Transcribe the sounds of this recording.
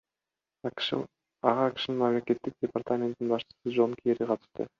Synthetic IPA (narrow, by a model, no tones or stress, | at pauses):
ɑʁɑːki̥ʃɪnɪnmamle̞ke̞t̪ːɪk̚dʲepart̪amʲe̞nt̪ːinbɑʃt͡ʃə̥səd͡ʒo̞nkʲʰeɾiqʰɑt̪ɨ̥ʃt̪ə̰